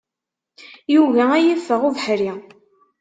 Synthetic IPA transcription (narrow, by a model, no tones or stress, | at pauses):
juvææjəfːəʁuvħɾi